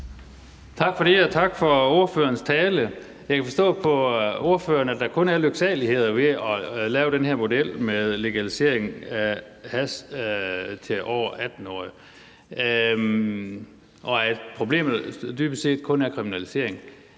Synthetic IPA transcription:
t͡sʰɑ̈ɡ̥fɒ̽ɾeɒt͡sʰɑ̈ɡ̥fɒ̽o̝ɐfø̰ːɐnst͡sʰɛːlə | jɑ̈kʰæfɒ̽sd̥ɔ̰̽ːpʰɒ̽o̝ɐfø̰ːɐnæd̥ɑ̈kʰɔ̽næɐløɡ̥sɛ̰ːlihe̝ð̞̰ˠɐʋe̝ɒlɛːʊd̥ɾenhæɐmo̝del̰meðˠle̝ɡ̥ælise̝ɐ̰e̝ŋæ | hæs | t͡sʰe̝ʔɒːɐʔæd̥n̩ɒ̰ː | ʔɒ̽æd̥pʰʁo̝b̥le̝̰ːmðd̥yːb̥ə̥se̝̰ːd̥kʰɔ̽næɐkʰʁiminælise̝̰ɐ̰e̝ŋ

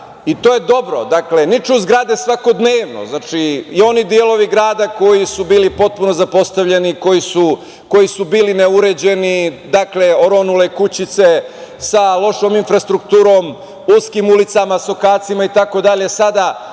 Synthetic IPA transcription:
it̪o̞ːje̞d̪o̞bɾo̞d̪akle̞nit͡ʃuzɡɾaːd̪esʋako̞d̪neːʋno̰znat͡ʃiio̞nid̪ielo̞ʋiɡɾaːd̪ako̞jisubiːlipo̞t̪̚puno̞zapo̞st̪aʋʎe̞niko̞jisu | ko̞jisubiːlineuɾed͡ʑe̞nid̪akle̞o̞ɾo̞nulekut͡ɕit̪sesalˠo̞ʃo̞ːminfɾast̪ɾukt̪uːɾo̞ːm | uskimulit̪samasokaːt̪simait̪ako̞d̪aʎe̞sad̪a

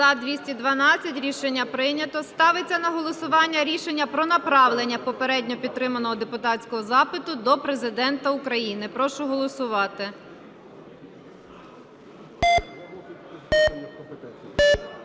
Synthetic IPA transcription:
zɐd̪ʋʲisʲtʲid̪ʋɐnɑt͡sʲːɐtʲɾʲiʃenʲːɐpɾɪnʲɐt̪ɔst̪ɑʋet͡sʲːɐnɐɦɔlˠɔsʊʋɑnʲːɐɾʲiʃenʲːɐpɾɔnɐpɾɑʋlˠenʲːɐpɔpeɾɛdʲnʲɔpʲid̪̚t̪ːɾɪmɐnɔɦɔd̪epʊt̪ɑtt͡sʲkɔɦɔzɑpɪt̪ʊd̪ɔpɾe̞zɪd̪ɛnt̪ɐʊkɾɐjinɪpɾɔʃʊɦɔlˠɔsʊʋɑt̪ɪ

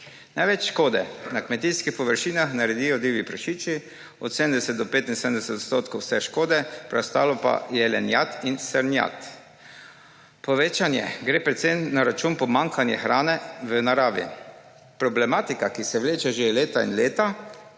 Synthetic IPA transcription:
najʋɛt͡ʃʃkoːd̪ɛnakmɛt̪iːskixpɔʋəɾʃiːnaxnaɾɛd̪iːjɔd̪iːʋipɾaʃiːt͡ʃi | ɔt̪sed̪əmd̪ɛsɛt̪̚d̪ɔpeːt̪insɛd̪ənd̪ɛsɛt̪ot̪st̪oːt̪kowsɛʃkoːd̪ɛpɾɛwst̪aːlɔpa̰jɛlɛnjat̪insɛɾnja̰t̪ | pɔʋeːt͡ʃanjɛ̰ɡɾeːpɾɛt̪sejnaɾat͡ʃuːnpɔmaŋkʰanjɛ̰xɾaːnɛʋənaɾaːʋḭ | pɾɔblɛmaːt̪ikakisɛʋleːt͡ʃɛʒeleːt̪aḭnleːt̪a

